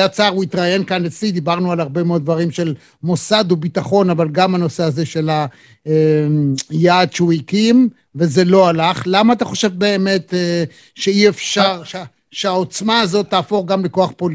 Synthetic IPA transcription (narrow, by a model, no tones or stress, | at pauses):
at͡saʁuit̪ʁaje̞nkanet͡slid̪ibaʁnualhaʁbe̞meo̞d̪̚dvaʁimʃe̞l | mo̞sad̪ubitaχo̞navalɡamhano̞seaze̞ʃe̞la | jaːd̪ʃeuikim | ve̞ze̞lo̞alaχlamaːt̪aχo̞ʃe̞vbe̞ːme̞t̪ | ʃeiefʃaʁʃ | ʃeaot͡smaːzot̪ːaːfo̞χɡamleko̞aχpol